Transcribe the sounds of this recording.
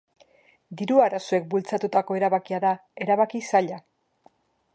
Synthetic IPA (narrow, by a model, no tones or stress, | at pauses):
d̪iɾuaɾasue̞k̚bult͡sat̪ut̪ako̞e̞ɾaβakiaðae̞ɾaβakisaʎa